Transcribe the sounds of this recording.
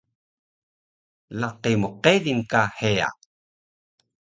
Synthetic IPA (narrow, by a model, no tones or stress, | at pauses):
laqimoqeðinkahea̰